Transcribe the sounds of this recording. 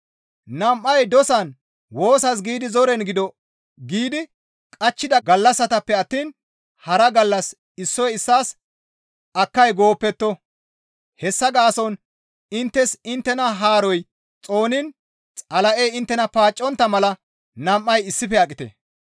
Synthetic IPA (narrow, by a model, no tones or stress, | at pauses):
nɐmʔːɐjd̪ɔsɐn | wo̞ːsɐs̬ɡiːd̪ɪzɔɾɛnɡɪd̪ɔ | ɡiːd̪ɪ | kʼɐt͡ʃːɪd̪ɐɡɐlːɐsɐt̪ɐpːɛɐt̪ːiːn | hɐɾɐɡɐlːɐs | ɪsːɔjɪsːaːs | ɐkːɐjɡo̞ːpːɛt̪ːɔ | hɛsːɐɡaːsɔn | ɪnt̪ːɛsɪnt̪ːɛnɐɦaːɾɔj | t͡sʼo̞ːnɪn | t͡sʼɐlɐʔejɪnt̪ːɛnɐpaːt͡ʃʼːɔnt̪ːɐmɐlɐ | nɐmʔːɐjɪsːɪfɛɐkʼːɪt̪ɛ̰